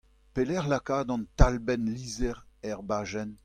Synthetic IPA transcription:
pelɛʁlakaːd̪ɑ̃nt̪albɛnliːzɛʁɛʁbaːʒɛn

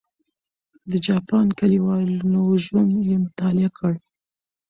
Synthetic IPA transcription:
d̪əd͡ʒɑpɑnkaliwɑlnoʒumjemʊt̪ɑlɪakʰəɽ

